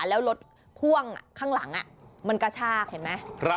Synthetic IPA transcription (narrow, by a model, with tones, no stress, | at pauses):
lɛː˦˥wlo˦˥t̪̚ | pʰu˥˩əŋa̰˨˩kʰaː˥˩ŋla˩˦ŋʔa˨˩ma˧nka˧˩t͡ɕʰaː˥˩k̚he˨˩˦nma˦˥jpʰɾa˦